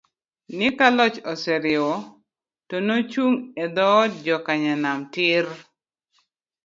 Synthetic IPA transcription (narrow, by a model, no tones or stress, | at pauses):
nɪkalɔt͡ʃɔsɛɾɪɔ | tonot͡ʃuŋed̪ɔd͡ʒɔkaɲanamtɪr